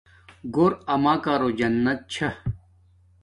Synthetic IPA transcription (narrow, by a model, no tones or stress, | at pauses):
ɡoɾɐmaːkaːɾoːd͡ʑɐnːɐt̪̚t͡ɕʰɐ